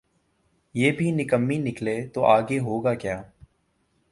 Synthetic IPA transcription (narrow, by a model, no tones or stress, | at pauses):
jeːbʱinɪkəmːinɪkleːt̪oːʔaːɡeɦoːɡaːkjaː